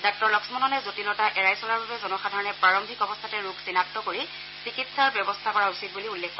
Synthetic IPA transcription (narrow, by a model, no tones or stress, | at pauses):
dɔk̚tɔɹlɔksmɔnɔnɛzotilɔtaʔɛɹajsɔlaɹbabɛzɔnɔxadʱaɹɔnɛpɹaɹɔmbʱikɔbɔstʰatɛɹukʰsinat̚tːɔkoɹi | sikitsaɹbjɔbɔstʰakɔɹausit̚buliulːɛkːɔ